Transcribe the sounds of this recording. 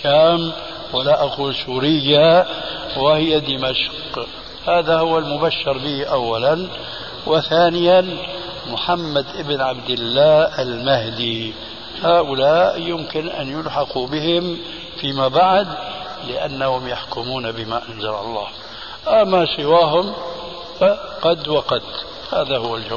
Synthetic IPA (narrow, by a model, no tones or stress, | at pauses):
kaːm | wɪlaʔaquːlsuːɾɪjːa | wɪhɪjad̪ɪmaʃq | haːðahʊwːalmʊbaʃːɑɾˤbiːʔawːalan | wɪθaːnɪjan | mʊħamːad̪ʔɪbnʕabd̪ɪlːaːalmahd̪i | haːʔʊlaːʔjʊmkɪnʔa̰njʊlħɑqubɪhɪm | fiːmabaʕd̪ | lɪʔa̰nːahʊmjaħkʊmuːnabɪmaʔanzɑɾɑ̰lˤːɑ̰ːh | ʔamːasɪwaːɦʊm | faqɑd̪waqɑd̪ | haːðahʊwːald͡ʒaw